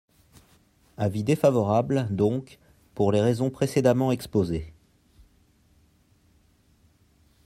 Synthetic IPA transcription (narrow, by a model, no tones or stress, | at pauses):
avid̪efavɔʁabld̪ɔ̃k | puʁleʁezɔ̃pχesed̪amɑ̃ɛkspoze